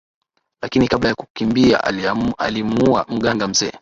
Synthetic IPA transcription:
lakinikaɓlajakukimbia̰alimua̰m̩ɠaŋɡam̩zɛː

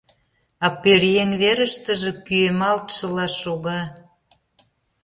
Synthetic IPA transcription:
ɑpøɾjeŋβeɾəʃt̪ə̆ʒĕkyemɑlt̪ʃə̆lɑʃoɣɑ

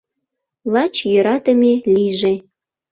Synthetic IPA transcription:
lˠɑt͡ɕjøɾɑt̪ə̆mʲeliʒe

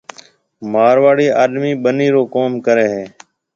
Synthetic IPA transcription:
maːɾʋaːɽiːʔaːɗmiːɓəniːɾoːkoːmkəɾeːɦeː

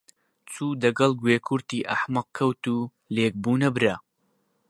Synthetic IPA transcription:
t͡sʰuːd̪ɐɡɐlˠɡweːkʰuɾt̪iːʔɐ̰ħmɐq̚kʰːɐwt̪uː | leːk̚buːnɐbɾɐ

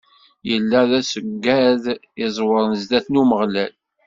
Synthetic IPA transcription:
jəlːæðæsəɡːæð | ɪzˤwəɾˤnəzd̪æθnuməʁlæl

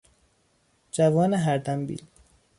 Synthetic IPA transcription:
d͡ʒævɒːneɦæɾd̪æmbḭːl

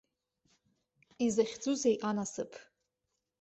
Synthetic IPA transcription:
izaχʲd͡zuzejʔanasɨ̰pʰ

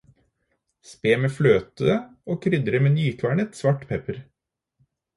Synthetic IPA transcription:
speːmeːfløːt̪əoːkʰɾʏd̪ɾəmeːnyːkʰʋæːɳət̪sʋɑʈpʰɛpəɾ

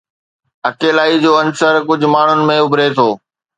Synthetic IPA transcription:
ɐkeːlaːid͡ʑoːɐnsəɾkʊd͡ʑʱʊ̆maːɳ̤ʊnɪ̆mẽʊbʱɾeːt̪ʰoː

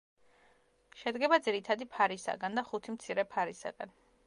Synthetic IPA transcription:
ʃɛd̪ɡɛbad̪ziɾit̪ʰad̪ipʰaɾisa̰ɡand̪aχut̪ʰimt̪sʰiɾɛpʰaɾisa̰ɡan

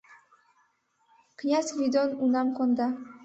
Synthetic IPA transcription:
qʰɨjasvid̪ɔnunamkɔnd̪a

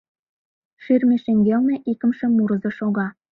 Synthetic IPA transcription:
ʃiɾmɘʃĕŋɡʲelˠneʔikɘ̆mʃɘ̆muɾɤ̆zɤʃɒɡɑ

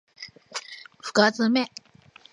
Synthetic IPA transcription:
ɸɯ̥kat͡sɨme

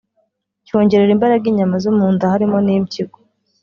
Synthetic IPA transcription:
co̞ːɲɟe̞ɾeɾimbaɾaɡiːɲamazumuːndahaɾimo̞nimciɡo

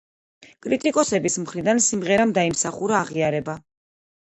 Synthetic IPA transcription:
kʼɾit̪ʼikʼɔsɛbismχɾid̪ansimʁɛɾamd̪aimsaχuɾaːʁiaɾɛba

